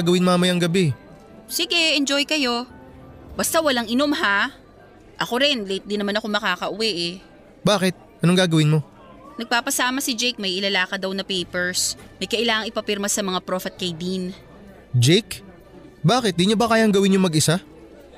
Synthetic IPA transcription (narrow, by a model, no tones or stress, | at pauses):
aɡɐwɪnmaːmɐjɐŋɡɐbɛ | siɡɛʔɛnd͡ʒo̞jkɐjo̞ | bɐst̪awɐlaŋʔɪno̞mɦa | ʔɐko̞ɾɪnlɛɪt̪̚d̪ɪnɐmanɐko̞mɐkaːkɐʔʊwɛʔɛ | baːkɪt̪̚ʔɐnoŋɡaːɡɐwɪnmo̞ | nɐɡ̚paːpɐsaːmɐsɪd͡ʒɛjk̚mɐjʔɪlɐlaːkɐd̪ɐwnɐpɛjpɛɹsmɐjkɐʔɪlaːŋɐŋʔɪpɐpɪɾmɐsɐmɐŋapɾofɛt̪̚kɐjd̪in | d͡ʒɛjk | baːkɪt̪̚d̪iɲobɐkaːjaŋɡɐwɪnjʊŋmɐɡɪsa